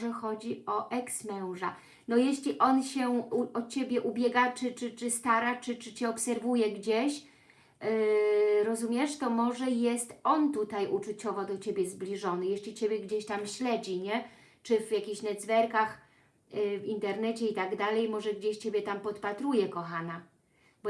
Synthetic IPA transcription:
ʐɛxɔd͡ʑiɔʔɛksmɛw̃ʐa̰ | nɔjeɕlʲiʔɔnɕɛuɔt͡ɕebʲjɛʔubʲjɛɡat͡ʂɘt͡ʂɘt͡ʂɘst̪aɾat͡ʂɘt͡ʂɘt͡ɕɛɔpsɛɾvujɛɡd͡ʑeɕ | ɾɔzumʲjɛʂt̪ɔmɔʐɛjɛst̪ɔnt̪ut̪ajʔut͡ʂut͡ɕɔvɔd̪ɔt͡ɕebʲjɛzblʲiʐɔnɘjeɕlʲit͡ɕebʲjɛɡd͡ʑeɕt̪amɕlɛd͡ʑiɲɛ | t͡ʂɘvjakʲiɕnɛd̪zvɛɾkax | vint̪ɛɾnɛt͡ɕɛit̪aɡd̪alɛjmɔʐɛɡd͡ʑeɕt͡ɕebʲjɛt̪ampɔt̪pat̪ɾujɛkɔxana | bɔ

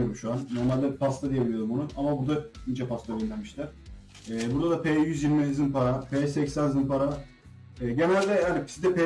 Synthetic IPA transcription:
oɾumʃuanno̞ɾmalʲd̪ɛpʰast̪ʰad̪ijebilʲijoɾumonuʔamabuɾd̪aniːd͡ʒɛpast̪ʰaynlʲæɾmiʃlʲæɾ̥ | ɛːbuɾd̪ad̪apʰejyzjiɾmizinpaɾapʰeːsɛcsænzɯnpaɾa | ɛːɟe̞nælʲd̪ɛhanipi̥sid̪ɛpe

